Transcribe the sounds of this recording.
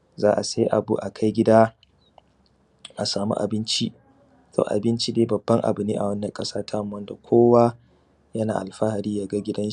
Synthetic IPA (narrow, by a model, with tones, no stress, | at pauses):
zaː˦ʔa̰˨sa˦ji˦ʔa̰˨bṵ˦ʔa˨kʰa˦jɡʲɪ˦daː˦ | ʔa˨saː˨mṵ˦ʔa̰˨bɪ˦nt͡ʃi˦ʔ | tʰo̰ː˨ʔa̰˨bɪ˦nt͡ʃi˦deː˦bɐ˨bːɐ˦ŋʔa̰˨bɪ˨niː˦ʔa˨wɐ˦nːɐ˨kʼɐ˦saː˦tʰaː˦˨m˦wɐ˦nda˨kʷʰoː˦wa˦ | jɐ˦na̰ː˨ʔa˨lɸa˦ha˨ɽiː˦jaː˦ɡa˦ɡʲɪ˦dɐ˦nʃ